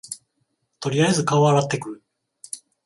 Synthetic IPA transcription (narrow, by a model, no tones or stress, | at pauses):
t̪o̞ɾʲiaezɨkaoβaɾat̪ːe̞kɯ̟ɯ